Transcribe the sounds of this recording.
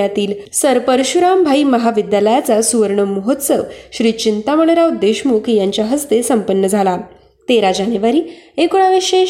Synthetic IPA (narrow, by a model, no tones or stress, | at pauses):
at̪iːlsəɾpəɾɕuɾambʱaiməɦaʋid̪jaləjat͡sasuʋəɾɳəməɦot̪səʋɕɾiːt͡ɕint̪aməɭəɾaʋd̪eɕmukjãɲt͡ɕjaɦəst̪esəmpənːəd͡zʱala | t̪eɾad͡ʑaneʋaɾiːekuɽaʋeɕe